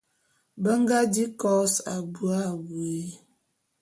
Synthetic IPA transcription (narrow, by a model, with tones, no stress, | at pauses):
bə˦ŋ˦ɡa˦di˦kɔ˦sa˨bu˨a˦˨we˨˦